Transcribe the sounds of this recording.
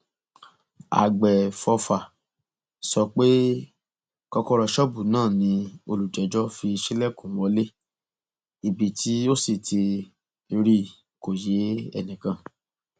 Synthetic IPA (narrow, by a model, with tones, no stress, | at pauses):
a̰˨ɡ͡bɛ˨fɔ˧fa˨ | sɔ˧k͡pe˦ | kɔ˧kɔ˧ɾɔ˧ʃɔ˦bu˦˨nãː˦˨nĩ˧˦o˧lu˨d͡ʒɛ˨˦d͡ʒɔ˦fi˧ʃi˦lɛ˦˨kũ˨˦wɔ˧˦le˦ | i˨bi˨tʰi˨˦o˦si˦˨tʰi˧ | ɾi˦ | ko˨je˨˦ɛ̰˦˧nĩ˨kã˨